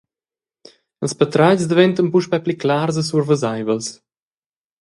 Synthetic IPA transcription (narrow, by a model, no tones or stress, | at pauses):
əlˠspət̪ɾacsd̪əvɛnt̪ənpuʃpɛpliklaːrzəsuɾvəzajvəls